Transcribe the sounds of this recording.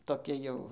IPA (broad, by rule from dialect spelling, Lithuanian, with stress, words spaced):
toːˈkʲɪ jɛʊ